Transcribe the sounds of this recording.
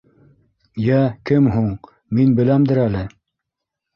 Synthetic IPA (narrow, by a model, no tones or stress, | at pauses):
jækɘmɦuɴ | minbɘ̆læmd̪ɘɾælɘ